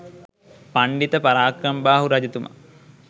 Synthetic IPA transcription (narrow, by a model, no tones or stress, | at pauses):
paɳɖit̪əpaɾaːkɾɐmbaːɦuɾɐd͡ʑɐt̪umʔɐ̰